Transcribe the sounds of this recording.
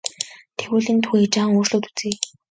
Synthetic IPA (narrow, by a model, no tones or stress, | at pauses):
t̪ʰewuːɮĭːnt̪ʰuet͡ɕaːŋoːrɮoːt̪u̥t͡seː